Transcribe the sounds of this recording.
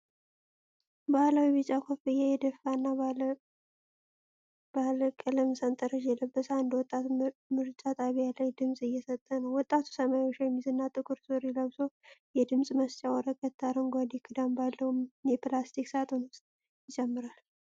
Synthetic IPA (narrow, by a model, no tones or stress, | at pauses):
bahlawiβɨt͡ʃʼakʷʰofɨjajɛd̪əfanːa | b̥aləkʼələmsant̪ʼəɾəd͡ʒjɛləbːəsaɨnd̪əwɔt̪ʼːat̪umɨɾt͡ʃʼat̪ʼaβijalajd̪ɨmsʼɨjːɛsət̪ʼːənəwwɔt̪ʼːat̪ʰu̥səmajot͡ʃːjɛmːizɨnːat̪ʼɨkʰuɾsoɾiləβsojɛd̪ɨmsʼməst͡ʃʼawɔɾəkʼət̪ʰːaɾəŋɡʷad̪ikʰʼɨd̪ambalːəhumjɛplast̪ʰiksat̪ʼonɨst̪ | jɪt͡ʃʼɛmːɨɾal